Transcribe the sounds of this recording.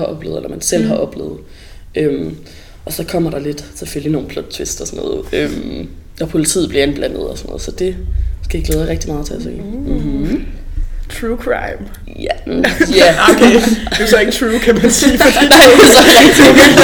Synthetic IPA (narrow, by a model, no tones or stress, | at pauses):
hɑ̈ɒ̽b̥lḛːð̩ˠḛlɐmænsel̰ɦɑ̈ʔɒ̽b̥lḛːð̩ˠ | ʔøm | ʔɒ̽sɒ̽kʰɒ̽m̰ɐɾ̥ɑ̈le̝d̥sefølino̝ːn̩pʰlɔd̥̚t͡sʰʋe̝sd̥ɒsɔnːɔ̰ːð̩ˠøm | ɒ̽pʰo̝lit͡sʰḭːð̩̥ˠliɐe̝nb̥læn̰ð̞̩ˠɒsɒnɔ̽ːðˠsɒ̽d̥e̝sɡ̥æjiɡlɛːðˠɐʁeɡ̥d̥imɑ̈ːðˠt͡sʰe̝æsḛː | t͡sʰʁukʰʁɑ̰ɪm | jæjæokʰed̥esɒeɡət͡sʰʁuːkʰæmænsiːfɒd̥ḭnɑɪ̰̥esɒʁɛɡ̥̚d̥i